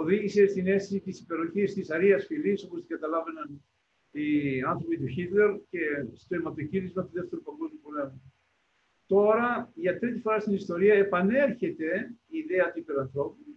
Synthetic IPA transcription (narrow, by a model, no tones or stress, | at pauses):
oðiʝise̞st̪ine̞st̪isit̪isipe̞ɾo̞çist̪isɐɾiɐsfiliso̞post̪iɡɐt̪ɐlɐve̞nɐn | iɐnθɾo̞pit̪uçit̪le̞ɾce̞st̪o̞emɐt̪o̞ciɾizmɐt̪uðeft̪e̞ɾupɐŋɡo̞zmjupole̞mu | t̪o̞ɾɐʝɐt̪ɾit̪ifo̞ɾɐst̪inist̪o̞ɾiɐe̞pɐne̞ɾçe̞t̪e̞iːðeɐt̪uipeɾɐnθɾo̞pu